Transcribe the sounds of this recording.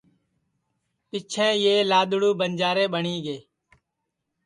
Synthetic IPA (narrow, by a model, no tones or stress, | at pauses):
pɪt͡ʃʰẽːjeːlaːɗ̪ʊɽuːbənd͡ʒaːɾeːɓəɳiːɡeː